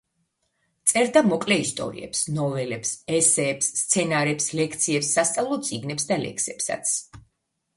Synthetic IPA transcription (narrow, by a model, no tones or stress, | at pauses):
t̪sʼɛɾd̪amɔkʼlɛist̪ʼɔ̰ɾḭɛ̰psnɔvɛlɛpsɛsɛːpsːt̪sʰɛnaɾɛpslɛkʰt̪sʰiɛpsːast̪sʼavlˠɔt̪sʼiɡnɛpsd̪alɛ̰ksɛpsa̰t̪sʰ